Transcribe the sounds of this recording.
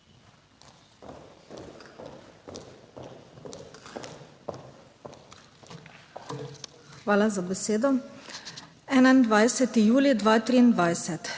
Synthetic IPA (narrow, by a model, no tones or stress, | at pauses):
xʋaːlazabɛseːd̪ɔ | ɛːnaind̪ʋajsɛt̪ijuːlid̪ʋaːt̪ɾiːnd̪ʋajsɛt̪